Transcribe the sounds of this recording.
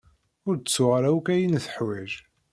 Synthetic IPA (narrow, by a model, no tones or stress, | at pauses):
ʊɾət͡sːʊʁɾæwkæjinθə̥ħwæʒ